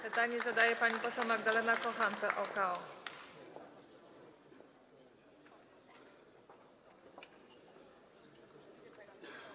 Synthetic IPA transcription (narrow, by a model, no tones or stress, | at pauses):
pɘt̪aɲizad̪ajɛpaɲipɔsɛwmaɡd̪alɛnakɔxant̪ɛʔɔkaɔ